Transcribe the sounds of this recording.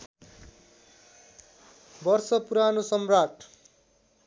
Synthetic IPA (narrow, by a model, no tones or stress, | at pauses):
bʌrsʌpuɾanosʌmraʈ